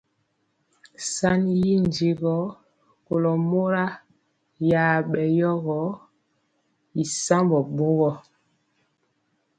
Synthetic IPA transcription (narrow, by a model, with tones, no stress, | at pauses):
sa˦ni˦ji˦n˨di˦ɣɔ˨˦ | ko˨lɔ˨mo˦ɾa˦ | jaː˨ɓɛ˨jɔ˦ɣɔ˨˦ | i˨sa˦mbɔ˨ɓo˦ɣɔ˦